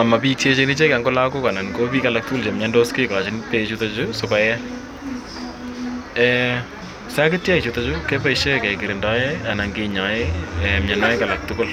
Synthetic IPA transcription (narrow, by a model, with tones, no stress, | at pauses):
a˨ma˨pik̚t͡ʃe˦t͡ʃeni˦t͡ʃe˦kɛŋɡʊ˦la˦kʊ˦ka˨na˨nko˦piː˦kala˨k̚tʊkʊ˦lt͡ʃe˨mɲɛndo˦ske˦ka˨t͡ʃɪ˨npe˨t͡ʃu˧tot͡ʃʊ˦sʊkɔjɛ˦ | ɛ | sa˦kɪ˦tjɛ˦kt͡ʃu˨to˦t͡ʃʊke˦paiʃe˦kɛ˨kɪ˨ɾɪ˨ndɔ˦ea˨na˨ŋɡeɲɔ˨eɛ˨mɲɛ˨nɔ˦ɪ˦ka˨la˨k̚tʊkʊ˦l